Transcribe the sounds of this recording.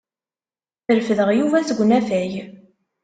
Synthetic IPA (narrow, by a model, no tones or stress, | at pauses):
θəɾfəðəʁjuvæsəɡʷnæfæj